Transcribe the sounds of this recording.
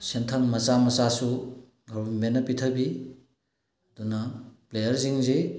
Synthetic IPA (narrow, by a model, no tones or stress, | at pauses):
sentʰɐŋmɐt͡ʃamɐt͡ʃasu | ɡʱɐɾumenɐpitʰɐbi | ɐdunɐplejɐɾziŋzej